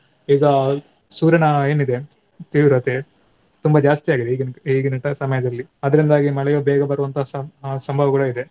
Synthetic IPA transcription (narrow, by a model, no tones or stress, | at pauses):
iːɡɐ | suːɾɐɳɐe̞ːnid̪e̞ | t̪iːʋiɾɐt̪e | t̪umbɐd͡ʒaːst̪ijaːɡid̪eiɡniːɡinɐʈɐsɐmɐjɐd̪ɐlːiɐd̪ɐɾind̪aːɡimɐɭɛjoːbɛːɡɐbɐɾuʋɐnt̪ʰɐɦɐsɐmbʱɐʋɐɡɐɭuid̪e̞